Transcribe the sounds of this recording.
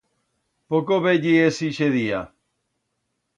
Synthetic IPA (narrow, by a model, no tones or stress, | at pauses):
pokoβeʎiesiʃeðia